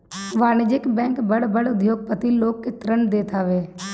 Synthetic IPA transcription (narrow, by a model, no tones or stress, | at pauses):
ʋaːnɪd͡ʒɪkbɛ̃ːŋkbəɽbəɽʊd̪joːɡ̚pət̪iloːɡ̚ket̪ɾənd̪eːt̪ʰaːʋeː